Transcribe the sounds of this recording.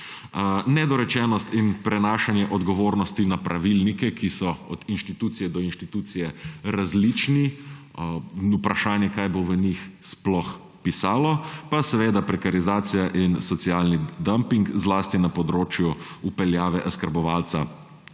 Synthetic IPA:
nɛd̪ɔɾɛt͡ʃɛːnɔst̪inpɾɛnaːʃanjɛʔɔd̪ɡɔʋoːɾnɔst̪inapɾʔaʋilnikɛkʰisɔɔd̪inʃt̪it̪uːt̪sijɛd̪ɔinʃt̪it̪uːt̪sijɛɾazlit͡ʃni | upɾaʃaːnjɛkaːjboʋənixsplɔx | pisaːlɔpasɛʋeːd̪apɾɛkaɾizaːt̪sijaʔinsɔt̪siaːlnid̪ampiŋkzlaːst̪inapɔd̪ɾoːt͡ʃju | upɛljaːʋɛʔaskəɾbɔʋaːlt̪sa̰

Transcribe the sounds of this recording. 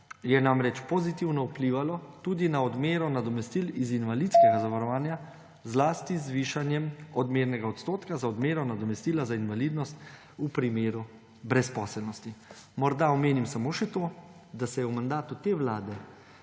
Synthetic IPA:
jɛnamɾɛt͡ʃpɔzit̪iwnɔupliʋalɔt̪uːd̪inaɔd̪meːɾɔnad̪ɔmɛst̪ilizinʋalit̪skɛɡazaʋaɾɔʋaːnja | zlaːst̪izʋiːʃanjɛmɔd̪meːɾnɛɡaɔt̪st̪oːt̪kazaɔd̪meːɾɔnad̪ɔmɛst̪iːlazainʋaliːd̪nɔst̪ | upɾimeːɾu | bɾɛspɔːsɛlnɔst̪i | mɔɾd̪aɔmeːnimsamoːʃɛt̪o | d̪asɛjɛwmand̪aːt̪ut̪eːʋlaːd̪ɛ

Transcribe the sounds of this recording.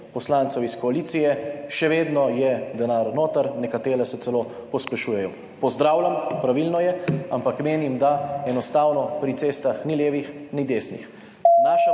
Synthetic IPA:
pɔslant̪sɔwiskɔaliːt̪sijɛʃɛʋeːd̪nɔjɛd̪ɛnaːɾnoːt̪əɾnɛkat̪eːɾɛsɛt̪ɛloː | pɔspɛʃuːjɛjɔ | pɔzd̪ɾaːwlʲjampɾaʋilnɔjɛa̰mpakmeːnimd̪aɛnɔst̪aːwnɔpɾit̪seːst̪axniljeːʋixnid̪eːsnḭx | naːʃa

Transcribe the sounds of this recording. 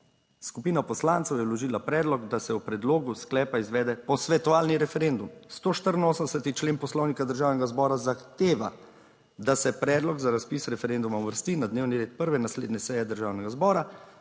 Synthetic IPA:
skupiːnapɔslant̪sɛwjɛwlɔʒiːlapɾɛːd̪lɔɡd̪asɛwpɾɛd̪loːɡusklɛːpaizʋɛːd̪ɛpɔsʋɛt̪ɔʋaːlniɾɛfɛɾend̪umst̪oːʃt̪əɾənoːsənd̪ɛsɛt̪it͡ʃleːnpɔslɔwnikad̪əɾʒaːwnɛɡazbɔːɾazaxt̪eːʋa̰ | d̪asɛpɾɛːd̪lɔɡzaɾaspisɾɛfɛɾend̪umawʋəɾst̪inad̪neːwniɾeːt̪̚pəɾʋɛnasleːd̪nɛsɛjɛd̪əɾʒaːwnɛɡazbɔːɾa

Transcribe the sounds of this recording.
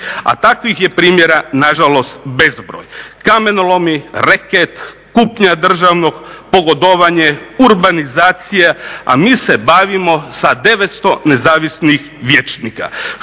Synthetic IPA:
a̰t̪akʋixje̞pɾiːmje̞ɾanaʒalo̞st̪be̞zbɾoːjkamenulo̞miɾeket̪ | kupɲad̪r̩ʒaʋno̞ɡpoɡod̪oʋaɲeuɾbanizaːt̪sijea̰miːse̞baʋimo̞sad̪e̞ʋet̪st̪o̞ne̞zaːʋisnix | ʋjet͡ʃniːka̰

